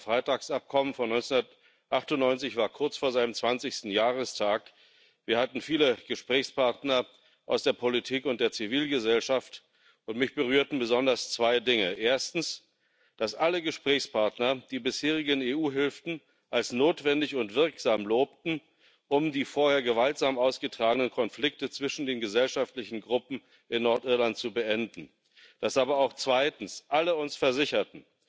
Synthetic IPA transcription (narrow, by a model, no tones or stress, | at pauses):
fʁ̥aɪtaːksʔap̚kʰɔmənfɔnɔʏnt͡sɛnʊndɐt | ʔaχtʊnnɔʏnt͡sɪçv̥aːɐkʰʊɐt͡sfoːɐzaɪnəmt͡sv̥ant͡sɪçstn̩jaːʁ̞əstʰaːk | viːɐhatn̩fiːləɡ̥əʃpʁ̥ɛːçspʰaɐtnɐ | ʔaʊsd̥eːɐpʰolitʰiːkʊnt̚d̥eːɐt͡siviːlɡəzɛlʃaft | ʊntmɪçb̥əʁyːɐtn̩bəzɔndɐst͡sv̥aɪdɪŋəʔeːɐstn̩s | d̥asʔaləɡəʃpʁ̥ɛːçspʰaɐtnɐd̥iːbɪsheːʁ̞ɪɡəneːuːɦɪlftn̩ | ʔalsnoːtv̥ɛndɪçʊntv̥ɪɐkz̥aːmloːp̚tn̩ | ʔʊmdiːfoːɐheːɐɡəvaltz̥aːmaʊsɡ̥ətʁ̥aːɡənənkʰɔnflɪk̚tət͡sv̥ɪʃn̩deːnɡəzɛlʃaftlɪçn̩ɡʁʊpm̩ | ɪnːɔɐtʔɪɐlant̚t͡subəʔɛndn̩ | d̥asʔaːbɐaʊxt͡sv̥aɪtn̩sʔaləʊnsfɛɐzɪçɐtn̩